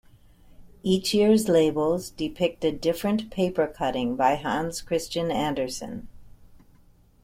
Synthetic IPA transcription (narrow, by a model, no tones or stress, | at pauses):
it͡ʃjɪɹzleɪbl̩ˠzdɨpʰɪk̚tɨdɪfɹɨ̃npʰeɪpə˞kʰʌɾɪ̃ŋbaɪɦæ̃nz̥kʰɹ̥ɪst͡ʃɨ̃næ̃ndə˞sɨ̰̃n